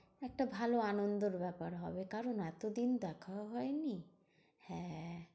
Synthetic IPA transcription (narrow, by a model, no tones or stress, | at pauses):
ɛk̚ʈabʱaloanond̪oɾbɛpaɾɦɔ̰bekaɾonɛt̪od̪ind̪ɛkʰawɦɔeni | hɛ̃